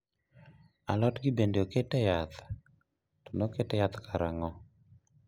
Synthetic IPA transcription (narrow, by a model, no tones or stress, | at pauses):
alɔtɡibendeoketɛjat̪ | tonoketɛjat̪kaɾaŋɔ